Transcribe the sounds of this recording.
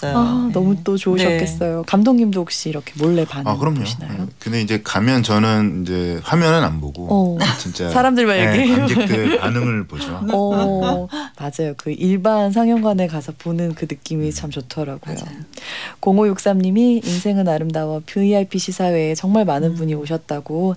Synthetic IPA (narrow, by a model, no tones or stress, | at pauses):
anʌmut͈ot͡ɕoɯɕʰʌp̚k͈ʰes͈ʌjokamdoŋɲimdook̚ɕ͈iːɾʌkʰe̞moɭːe̞panakɯɾʌmɲoɕinajokɯnde̞id͡ʑe̞kamjʌnt͡ɕʌnɯnid͡ʑe̞ɸwamjʌnɯna̰mboɡoʌt͡ɕint͡ɕ͈asʰaɾamdɯɭmajeɡe | anɯŋɯɭpod͡ʑoʌ | mad͡ʑajokɯʔiɭbans̬ʰaŋjʌŋɡwanekasʰʌponɯnkɯnɯk͈imit͡ɕʰamt͡ɕotʰʌɾaɡ̥o̰j̰ | koŋojok̚s͈amɲimiinsʰe̞ŋɯnaɾɯmdawʌpʰiiaipʰiɕʰisʰawe̞ːt͡ɕʌŋmaɭmanɯnbuɲioɕ̬ʰʌt̚t͈aɡo